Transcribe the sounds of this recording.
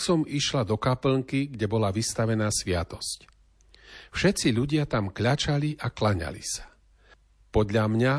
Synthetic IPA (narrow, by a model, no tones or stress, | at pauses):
sɔmiʃlad̪ɔkapl̩ŋkiɡɟɛbɔlaʋist̪aʋɛnaːsʋɪat̪ɔ̥sc | fʃɛt̪t͡siʎuɟɪat̪amkʎat͡ʃaliʔaklaɲa̰lḭsḁ | pɔd̪ʎamɲa